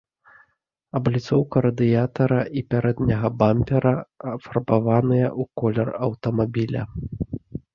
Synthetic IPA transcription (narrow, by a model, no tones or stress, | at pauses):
ɐblʲit̪sɔwkɐɾɐd̪ɨjat̪ɐɾɐʔipʲaɾɛd̪nʲɐɣɐbamʲpʲɛɾɐɐpfɐrbavanɨjɐʔukɔlʲɛrɐwt̪ɐmabʲilʲɐ̰